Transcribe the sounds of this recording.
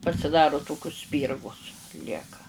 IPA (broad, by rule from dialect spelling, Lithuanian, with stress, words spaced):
pɐsʲɪˈdɑːrʊ ˈtoːkʲʊs ˈsʲpʲiːrɡʊs ˈlʲiɛkɐ